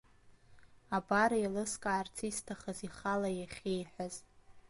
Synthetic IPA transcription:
abaɾajlɨskʼaːrt͡sʰistʰaχəziχalajaχʲejħʷᶣaz

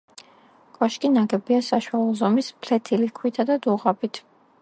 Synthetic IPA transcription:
kʼɔʃkʼinaɡɛbiasaʃwalˠɔzɔmispʰlɛt̪ʰilikʰwit̪ʰad̪ad̪uʁabit̪ʰ

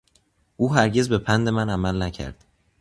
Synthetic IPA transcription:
ʔuːɦæɾɟe̞zbe̞pʰænd̪e̞mænæmælnæcʰæ̰ɾd̪̥

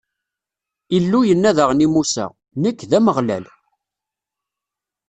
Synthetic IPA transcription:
ilːujənːæðəʁnimusæ̰ | nəkːðæməʁlæ̰l

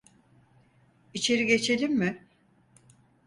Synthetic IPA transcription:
it͡ʃʰe̞ɾiɡe̞t͡ʃʰe̞lʲimmɪ

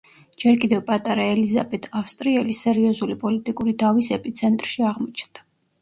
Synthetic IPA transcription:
d͡ʒɛɾkʼid̪ɛvpʼat̪ʼaɾaɛlizabɛt̪ʰafst̪ʼɾiɛlisɛɾiɔzulipʼɔlit̪ʼikʼuɾid̪avisɛpʼit̪sʰɛnt̪ʼɾʃiaʁmɔt͡ʃʰnd̪̥a

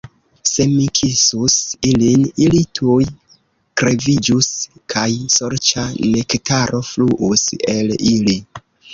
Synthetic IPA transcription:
se̞mikʰisusilinilitʰuj | kɾe̞vid͡ʒuskʰajsoɾt͡ʃane̞ktaɾʔo̞fluʔuse̞lili

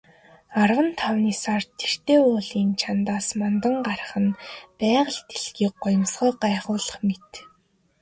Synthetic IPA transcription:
arwə̆nt̪ʰawniːsart̪ʰːer̥t̪eːʊːɮiːnt͡ɕʰant̪aːsmɔnt̪ə̆ɴɢaɾə̆χə̆npæːʁə̆ɮt̪eɮɣiːk̚ɢʊjə̆msɢœːɢaːχʊːɮə̥̆χmet̪

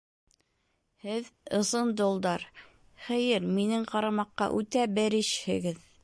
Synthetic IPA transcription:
hɘðɤ̆sɤnd̪ŏlˠd̪ɑɾ | χɘ̆jɘɾminɘŋqɑɾɑmɑqːɑ̰ʔʉt̪æbɘ̆ɾɘʃhɘ̆ɡɘð

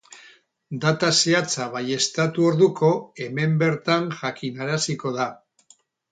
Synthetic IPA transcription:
d̪at̪aseat͡saβ̞aje̞st̪at̪uo̞ɾðuko̞e̞me̞mbe̞ɾt̪anʝakinaɾasiko̞ða

